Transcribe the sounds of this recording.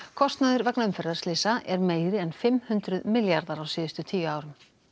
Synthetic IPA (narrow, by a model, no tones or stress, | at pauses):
kʰɔst̪naðɪɾvɛknaʏmfɛɾðaɾ̥slɪːsaʔɛɾmeːjðɾɪɛnfɪmhʉnt̪ɾʏðmɪljaɾðaɾawsɪːðʏst̪ʏt̪ʰiːjʏaːwɾʏm